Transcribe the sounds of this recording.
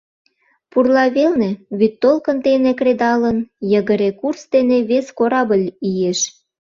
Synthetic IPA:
purlɑβelneβyt̪ːolkə̆nt̪enekred̪ɑlənjəɣəɾekursd̪eneβeskoɾɑbəlʲijeʃ

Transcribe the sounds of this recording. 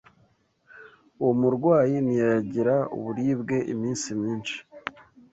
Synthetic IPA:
uwomuɾɡwaːjinijajaɟiɾaṵβuɾiːbɡe̞ʔḭmiːnsimɲiːnʃi̥

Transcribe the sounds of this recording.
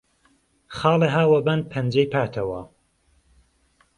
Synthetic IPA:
xɑːleɦaːwɐbɐnpʰɐnd͡ʒejpʰaːt̪ʰɐwɐ

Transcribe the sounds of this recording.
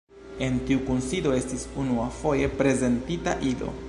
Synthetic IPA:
e̞ntiukunsido̞e̞stisunuafo̞je̞pɾe̞ze̞ntita̰ʔido̞̰

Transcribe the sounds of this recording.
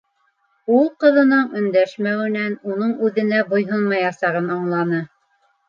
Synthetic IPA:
ulˠqɤ̆ðɤ̆nɤɴɵ̆nd̪æʃmæwɘ̆nænunɤɴʉðɘ̆næbŏjɦonmɑjɑsɑʁɤnɑɴlˠɑnɤ

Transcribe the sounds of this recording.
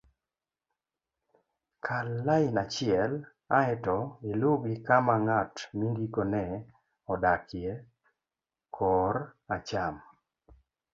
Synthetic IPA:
kʰalːaɪnat͡ʃɪɛl | aɛtɔilʊɡikamaŋatmiŋɡikonɛ | ɔdakje | kʰɔɾat͡ʃam

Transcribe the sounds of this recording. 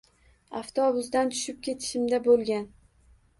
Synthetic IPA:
aft̪ʰoɒbʊzd̪ant̪ʰʊ̥ʃɪp̚kʲʰe̞t̪ʰɪ̥ʃɪmd̪abolˠɡʲan

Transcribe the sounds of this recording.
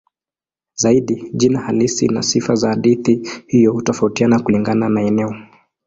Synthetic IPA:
zaiɗiʄinahalisḭnasifazaːɗiθihijɔhutɔfautianakuliŋɡananaɛnɛɔ

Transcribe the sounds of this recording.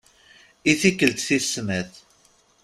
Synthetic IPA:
iθikːəlt̪θisːmæθ

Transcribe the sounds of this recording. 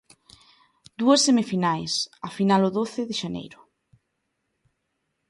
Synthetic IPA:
d̪̥uɐsːemifinajsafinalʊðoθɪðɪʃanḛjɾʊ

